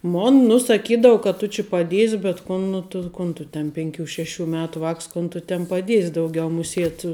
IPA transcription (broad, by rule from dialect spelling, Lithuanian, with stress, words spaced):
ˈmoːn nʊ sɐˈkʲiːdɐʋʊ kɐ tʊ t͡ʃʲɪ pɐˈdʲiɛsʲ bʲɛt ˈkʊn nʊ tʊ ˈkʊn tʊ tʲɛn pʲɛŋʲˈkʲuː ˈʃʲæːˌʃʲuː ˈmʲæːtʊ ˈʋɑːks ˈkoːn tʊ tʲɪn pɐˈdʲiɛsʲ dɐʊˈɡʲɛʊ mʊˈsʲiɛt